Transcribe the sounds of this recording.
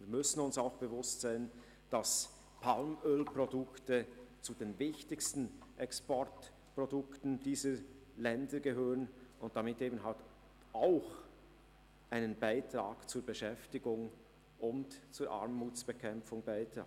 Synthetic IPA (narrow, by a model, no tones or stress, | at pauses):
viːɐmʏsn̩ʊnsaʊxb̥əvʊstz̥aɪn | d̥as | pʰalmøːlpʁodʊktət͡sudeːnvɪçtɪçstn̩ʔɛkspɔrt | pʁodʊktn̩diːzə | lɛndəɡəɦøːʁənʊnt̚d̥amɪteːbn̩ɦalt | aʊx | ʔaɪnənbaɪtɾaːɡ̥t͡suːɐbəʃɛftɪɡʊŋ | ʊntt͡suːɾʔa̰ɾmːuːt͡sb̥əkʰɛmfʊŋbaɪtɾa̰ː